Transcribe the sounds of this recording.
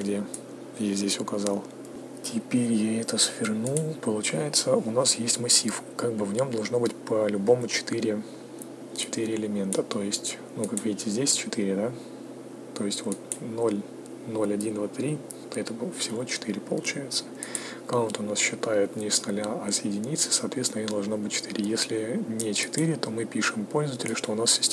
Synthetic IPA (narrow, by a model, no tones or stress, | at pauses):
ɡdʲe | jazʲdʲesʲʊkɐzɑlˠ | tʲʰɪpʲeɾʲjaɛt̪əsfʲɪrnupəlˠʊt͡ɕæjɪt̪səʊnasjesʲtʲmɐsʲːifkaɡ̚bɨvnʲo̞md̪ɐlˠʐno̞bɨtʲpəlʲʊbo̞mʊt͡ɕɪ̥t̪ɨɾʲɪ | t͡ɕɪ̥t̪ɨɾʲɪɪlʲɪmʲe̞nt̪ət̪o̞jɪsʲtʲ | nukakvʲidʲɪtʲɪzʲdʲesʲt͡ɕɪt̪iɾʲɪd̪a | t̪o̞jɪsʲtʲvo̞t̪̚nolʲ | no̞lʲɐdʲind̪vat̪ɾʲi | t̪ɛt̪əvəfsʲɪvo̞t͡ɕɪ̥t̪iɾʲɪpə̰lˠʊ̰t͡ɕæjɪt̪sə̥ | kaot̪ʊnasɕːɪt̪ajɪt̪nʲɪsnɐlʲaɐsjɪdʲɪnʲit̪sɨ̥sɐːt̪vʲet̪sʲnjʲod̪ɐlˠʐnobɨt̚ʲt͡ɕɪ̥t̪ɨɾʲɪjesʲlʲɪnʲɪt͡ɕɪ̥t̪ɨɾʲɪt̪o̞mɨpʲiʂɨmpo̞lʲzəvətʲɪlʲɪʂt̪o̞ʊnasʲɪsʲ